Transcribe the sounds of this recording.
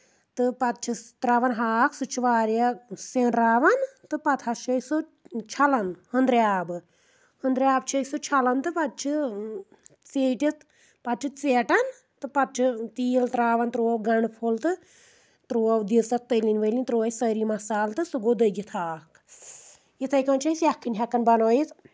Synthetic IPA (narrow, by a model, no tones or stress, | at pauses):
t̪ɨpɐt̪̚t͡ʃʰit̪ɾaːʋɐnɦaːkʰsut͡ʃʰʋaːɾjaseːnɾaːʋɐnt̪ɨpɐt̪ʰɐʃɐso | t͡ʃʰɐlɐnhənd̪ɾjaːbɨ | hənd̪ɾjaːbt͡ʃʰɐjsut͡ʃʰɐlɐnt̪ɨpɐt̪̚t͡ʃʰi | t͡seːʈʲit̪ | pɐt͡ʃʰit͡seːʈɐn | t̪ɨpɐt̪̚t͡ʃʰɨt̪iːlt̪ɾaːʋɐnt̪ɾuːɐwɡɐɳpʰolt̪ɨ | t̪ɾuːɐʋd̪it͡sɐt̪̚t̪ːəlinʋəjlinʲt̪ɾoːjsəɾiːmɐsaːlt̪ɨsuɡoːd̪əjɡit̪ʰaːk | jit̪ʰɐjkɐnt͡ʃʰɐsjakʰːinʲɦʲɛkːɐnbɐnoːjit̪